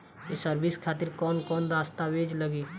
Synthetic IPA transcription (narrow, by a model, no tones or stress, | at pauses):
kisəɾbɪskʰaːt̪ɪɾkɔːnkɔːnɾaːst̪aweːd͡ʒləɡiː